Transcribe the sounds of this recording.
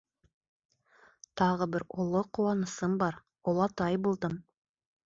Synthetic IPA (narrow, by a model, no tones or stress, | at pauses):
t̪ɑʁɤbɘɾŏlˠoquwɑnɤ̆sɤmbɑɾ | ŏlˠɑt̪ɑjbulˠd̪ɤm